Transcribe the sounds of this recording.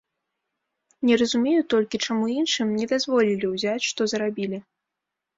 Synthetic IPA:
nʲɛrɐzumʲejut̪ɔlʲkʲit͡ʂamuinʂɨmnʲɛd̪azvɔlʲilʲiwzʲat͡sʲʂt̪ɔzɐɾabʲilʲi

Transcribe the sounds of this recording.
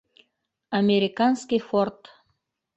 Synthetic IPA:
ɐmʲeɾʲɪkanskʲijfort̪

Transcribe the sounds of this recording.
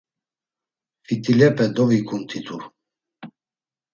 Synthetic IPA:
fit̪ʼilɛpɛd̪ɔvikʰʼunt̪ʰit̪ʰʼu

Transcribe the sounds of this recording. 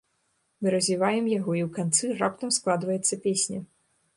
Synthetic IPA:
mɨɾɐzʲvʲivajɛmjaɣɔiwkant̪sɨrapt̪ɐmsklˠad̪vɐjɛt̪sːɐpʲesʲnʲɐ

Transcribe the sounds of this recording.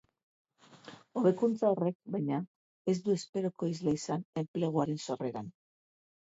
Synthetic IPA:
o̞βe̞kunt͡sao̞re̞k̚bajɲa | e̞zd̪ue̞spe̞ɾoko̞izleisane̞mple̞ɣ̞uaɾe̞nso̞re̞ɾan

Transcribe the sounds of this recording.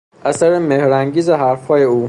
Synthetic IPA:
ʔæsæɾemehɾæŋɟiːzeɦæɾfhɒːje̞uː

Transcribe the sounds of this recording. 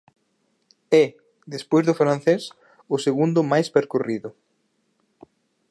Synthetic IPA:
ɛ | ðespojzðʊfɾãnθes | ʊseɣund̪ʊmajspeɾkoriðʊ

